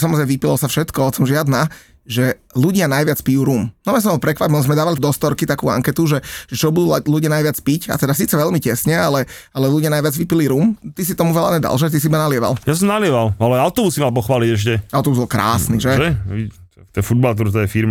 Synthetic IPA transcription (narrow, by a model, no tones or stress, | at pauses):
samɔzɾɛɪmɛʋipilɔsafʃɛt̪kɔɔsɔmʒɪad̪na | ʒɛluɟɪanajʋɪat͡spijuːɾuːmnɔmasɔ̃mbɔlpɾɛkʋapilzmɛd̪aːʋalid̪ɔst̪ɔɾkit̪akṵːa̰ŋkɛt̪uʒɛʒ̥ɛt͡ʃɔbud̪uːluɟɪanajʋɪat͡spica̰t̪ɛd̪asiːt͡sɛʋɛʎmicɛsɲɛalɛ | alɛluɟɪanajʋad͡zʋipiliɾuːmt̪is̬it̪ɔmuʋɛlaɲɛd̪a̰lʃɛt̪is̬iibanalɪɛʋa̰ljas̬ɔmnalɪɛʋalalɛaʊt̪ɔbusːimalp̬ɔxʋaːliɟɛʃcɛaʊt̪ɔbuzbɔlkɾa̰ːsniʒɛʒɛi | t̪ɔjfud̪̚balt̪̬uɾt̪ɔjɛfiɾma